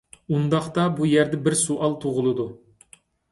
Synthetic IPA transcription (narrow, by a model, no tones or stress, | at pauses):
und̪ɑχt̪ɑbujɛɾd̪ɛbɪɾsuʔɑlˠt̪ʰoʁʊlˠɨd̪u